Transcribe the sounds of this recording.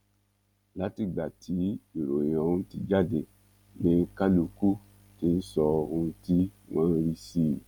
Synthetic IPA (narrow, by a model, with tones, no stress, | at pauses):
la˨˦ti˧˨ɡ͡ba˨tʰi˨˦i˨ɾõ˨ã˧˨˦ũ˧˦ti˧d͡ʒa˦˨de˨ | nĩ˨˦ka˦lu˧ku˦ | ti˧n̩˦sɔ˧ũ˧ti˦w̃ɔ̃˦˧n̩˦˧ɾi˧si˦˨